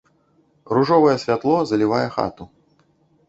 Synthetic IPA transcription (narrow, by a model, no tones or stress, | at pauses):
ruʐɔvɐjɛsʲvʲat̪lˠɔzɐlʲivajɛxa̰t̪u